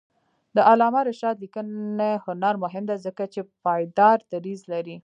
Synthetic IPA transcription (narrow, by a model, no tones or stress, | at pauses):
d̪əʔalɑmaɾɪʃɑd̪likəehʊnɑɾmʊɦɪmd̪azəkat͡ʃepɑjd̪ɑɾd̪aɾizlaɾi